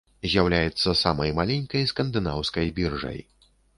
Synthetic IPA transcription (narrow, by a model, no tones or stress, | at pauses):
zʲjawlʲajɛt̪sːɐsamɐjmalʲɛnʲkɐjskɐnd̪ɨnawskɐjbʲirʐɐ̰j